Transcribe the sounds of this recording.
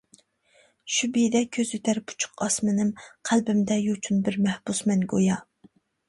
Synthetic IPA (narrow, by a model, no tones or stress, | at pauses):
ʃubijd̪ɛkʲʰøzyt̪ʰæɾpʰu̥t͡ʃʰʊ̥qɑsmɨnɪmqʰælbɪmd̪ɛjut͡ʃʰunbɪɾmɛhb̥usmɛnɡojɑ